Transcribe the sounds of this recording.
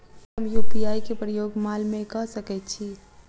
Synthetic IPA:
ɦəmjuːpiaːikepɾəjoːɡmaːlmẽkɐɦsəkɛt̪t͡ʃʰi

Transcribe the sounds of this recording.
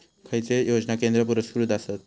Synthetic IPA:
kʰəjt͡sejod͡znakend̪ɾəpuɾəskɾut̪asət̪

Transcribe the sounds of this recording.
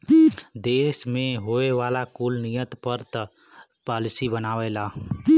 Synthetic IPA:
d̪eːsmẽɦoeʋaːlakuːlnijət̪pəɾt̪ | paːlɪsibənaːʋɛlaː

